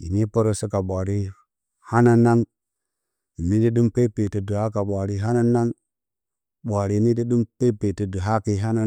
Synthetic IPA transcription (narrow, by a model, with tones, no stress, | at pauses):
ḭ˨ni˦po˦ɾo˦si˦ka˨ɓʷa˨ɾi˦ | ha˦na˦na˦ŋ | i˨ni˦di˦du˦mpe˦pe˨ti˨du˨ha˦ka˨ɓʷa˨ɾi˦ɦa˦na˦na˦ŋ | ɓʷa˨ɾi˦˨ni˦di˦du˦mpe˦pe˨tə˨du˨ɦa˦ki˦ɦa˦na˦